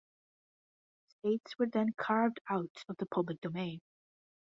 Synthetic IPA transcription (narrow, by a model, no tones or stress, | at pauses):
steɪtswə˞ðə̃nkʰaɹvdaʊtʌvðəpʰʌblˠɪk̚d̥omẽɪ̃n